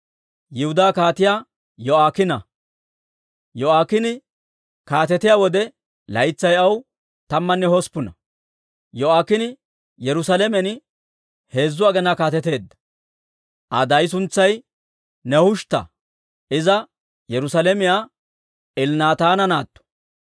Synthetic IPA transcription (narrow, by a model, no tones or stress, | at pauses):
jɪhʊd̪aːkaːt̪ɪjaː | jɔaːkɪnɐ | jɔaːkɪnɪ | kaːt̪ɛt̪ɪjaːwɔd̪ɛ | lɐjt͡sːɐjɐw | t̪ɐmːɐnːɛhɔspːʊnɐ | jɔaːkːɪnɪ | jɛɾʊsalemɛn | he̞ːzːʊaɡɛnakaːt̪ɛt̪e̞ːd̪ːɐ̥ | ʔɐ̰d̪ɐjs̬ʊnt͡sːɐj | nɛhʊʃt̪ɐ̰ | ʔɪzɐ | jɛɾʊsalemɪjaː | ʔɪlnaːt̪aːnɐnaːt̪ːɔ̥